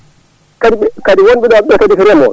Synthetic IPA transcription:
kadibkadiwonbidaɛkadifiɾɛmɔ̰

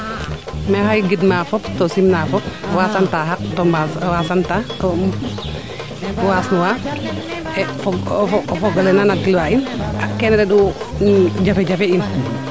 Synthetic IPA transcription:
mɛhajɡidmafɔptɔsimnafɔp̚wasantaɦak̚tɔmaswasantatɔ | waːsnuwa | ɛfɔɡɔfɔɡalɛnanat̚ɡilwaʔinakɛnɾɛɗu | d͡ʒafɛd͡ʒafɛin

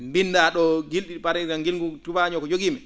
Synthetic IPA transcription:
mbinːdaɗɔɡilɗipaɾɛɾaŋɡilŋɡutubaɲɔkɔd͡ʒoɡiːmɛ

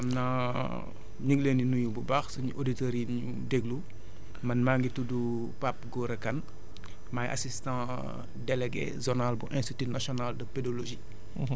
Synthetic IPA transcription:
ɐmna | ɲuɡleninuɲububaxsuɲuʔoditeɾiɲṵ | deɡlu | mɐnmaŋɡitudu | pap̚ɡɔːɾɐkɐn | majʔa̰sistɑ̃ː | dɛleɡḛzɔnalbuʔɛ̃nstitinasjɔnaldɐpedoloʒi

